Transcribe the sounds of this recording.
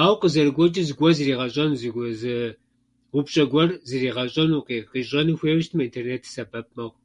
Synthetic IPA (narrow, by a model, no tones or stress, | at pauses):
aːwqəzɐrɨɡʷɔt͡ʃʼɪzɨɡʷɔzɨriːʁɐɕʼɐnzɨzɨ | wʊpɕʼɐɡʷɔrzɨriːʁɐɕʼɐnuːqiqiːɕʼɐnɨxʷeːwʃtʰmɐintʰerneːtʰsɐbɐp̚ʼmɐʁʷ